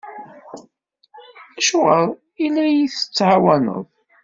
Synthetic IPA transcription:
æʃʁəðˤ | ilːæjiθə̥t͡sːʕawænə̰ðˤ

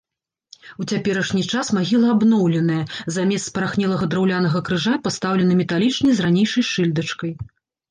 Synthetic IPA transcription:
ut͡sʲapʲɛɾɐʂnʲit͡ʂasmaɣʲilˠɐabnɔwlʲɛn̪ɐjɐzamʲɛst̪spɐɾaxnʲɛlˠɐɣɐd̪ɾawlʲan̪ɐɣɐkɾɨʐapast̪awlʲɛnɨmʲɛt̪alʲit͡ʂnɐjzranʲejʂɐjʂɨlʲd̪ɐt͡ʂkɐj

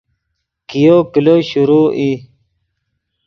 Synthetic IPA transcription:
kijoːkiloɕuɾuːʔi

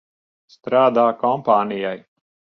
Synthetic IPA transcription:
st̪ɾaːd̪aːkɔmpaːnijaj

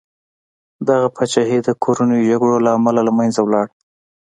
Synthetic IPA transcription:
d̪aɣapʰat͡ʃaɦed̪əkʰoɾanəjoʒaɡɽolaːmalalamajnzawlɑɽ

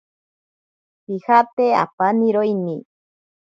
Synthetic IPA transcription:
hihapea̰paniɾojni

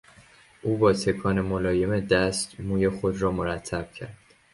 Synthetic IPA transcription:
ʔuːbɒːt̪ʰe̞kʰɒːnemolɒːje̞med̪æst̪muːje̞xo̞d̪rɒːmoɾæt̪ʰːæb̥̚cʰæ̰ɾd̪̥

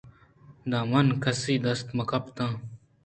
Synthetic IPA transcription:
d̪aːmɐnkɐsiːd̪ɐst̪mɐkɐpt̪ãː

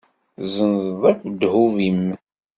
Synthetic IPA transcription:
zənzðˤækʷːd̪huvimːə

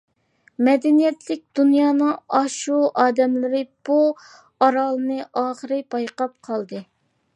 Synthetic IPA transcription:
mɛd̪ɛnijɛt̪lɪk̚ʲd̪unjɑːnɨŋɑʃuʔɑːd̪ɛmlɪɾɪb̥u | ɑɾɑːlˠɨnɨʔɑːχəɾɨpɑjqɑp̚qʰɑlˠd̪ɨ

